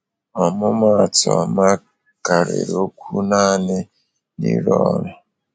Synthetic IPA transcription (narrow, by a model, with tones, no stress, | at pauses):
wa˨mʊ˦ma˨tɔ˨a˨ma˦ | ka˨ɾḛ˨ɾo˦kʰu˦na˦ne˦ | nḭ˦ɾɔ˦na˨